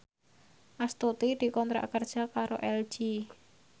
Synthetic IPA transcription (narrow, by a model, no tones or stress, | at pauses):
ʔast̪ut̪id̪̥i̤kɔnt̪ɾa̰ʔkərd̥ʒ̥a̤kaɾoʔɛl̥ʒ̥i